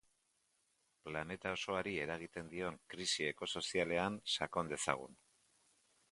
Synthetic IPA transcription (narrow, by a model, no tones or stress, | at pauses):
plane̞t̪ao̞so̞aɾie̞ɾaɣ̞it̪e̞nd̪io̞ŋkɾisie̞ko̞so̞siale̞ansako̞nd̪e̞sa̰ɣ̞ṵn